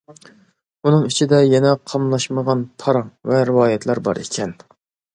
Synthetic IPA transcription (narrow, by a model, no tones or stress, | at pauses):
unɨŋyt͡ʃʰid̪ɛjɛnɛqʰɑmlˠɑʃməʁɑnpʰɑɾɑŋvɛɾɪwɑːjɛt̪ʰlɾbɑ̰ɾḛkʲʰɛn